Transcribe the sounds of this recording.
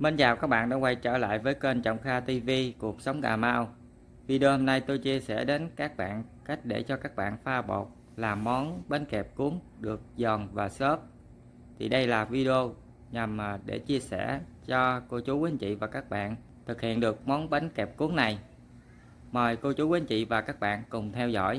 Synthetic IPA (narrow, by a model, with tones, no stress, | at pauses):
me˧nzaː˨˩wkaː˦˥k̚ɓa̰ː˧˨nɗa̰ː˧˥wa˧jt͡ɕə̰ː˧˩la̰ː˧˨jvəː˨˦jkwe˧nt͡ɕɔ̰˧˨wŋ͡mxaː˧t̪i˧vi˧ku˨˩ək̚sə˨˦wŋ͡mɣa̰ː˨˩maː˧w | vi˧ɗi˧o˧ho˧mna˧jt̪o˧jt͡ɕi˧əsɛ̰˧˩ɗe˨˦nkaː˦˥k̚ɓa̰ː˧˨nka˦˥jk̟̚ɗe˧˩t͡ɕɔ˧kaː˦˥k̚ɓa̰ː˧˨nfaː˧ɓo̰˨˩k͡p̚ | laː˨˩mːɔ˨˦nɓa˨˦nkɛ˨˩p̚ku˨˦əŋ | ɗɨ˨˩ək̚zɔ˨˩nvaː˨˩sə˦˥p̚ | t̪ʰi˨˩ɗə˧jlaː˨˩vi˧ɗi˧o˧ | ɲa˨˩mː˨˩ɗḛ˧˩t͡ɕi˧əsɛ̰˧˩t͡ɕɔ˧ko˧t͡ɕu˨˦kwe˨˦nt͡ɕḭ˧˨vaː˨˩kaː˦˥k̚ɓa̰ː˧˨n | t̪ʰɨ˨˩k̚hḭ˧˨ənɗɨ˨˩ək̚mɔ˨˦nɓa˨˦jnkɛ˨˩p̚ku˨˦əŋna˨˩j | məː˨˩jko˧t͡ɕu˨˦we˨˦nt͡ɕḭ˧˨vaː˨˩kaː˦˥k̚ɓa̰ː˧˨nkʊ˨˩ŋ͡mt̪ʰɛ˧wzɔ̰˧˥˨j